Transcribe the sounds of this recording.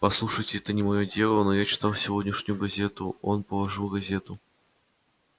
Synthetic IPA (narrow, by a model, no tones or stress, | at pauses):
pɐslˠuʂəjtʲɪɛt̪ənʲɪmɐjodʲe̞lˠənojat͡ɕɪ̥t̪alˠsʲɪvo̞dʲnʲɪʂnʲʊjʊɡɐzʲe̞t̪ʊo̞npəlˠɐʐɨlˠɡɐzʲe̞t̪ʊ